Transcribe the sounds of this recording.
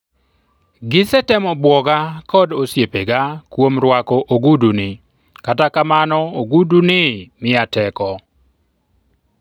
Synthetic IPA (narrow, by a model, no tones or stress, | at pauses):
ɡɪsɛtɛmɔbwɔɡakɔdosjepeɡakwomɾwakɔʔoɡudunɪ | katakamanɔoɡudunɪmɪatɛkɔ